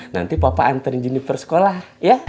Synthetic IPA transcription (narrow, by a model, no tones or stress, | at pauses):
na̰nt̪ipapa̰ːnt̪əɾiɲd͡ʒinipərsə̥kolah | ja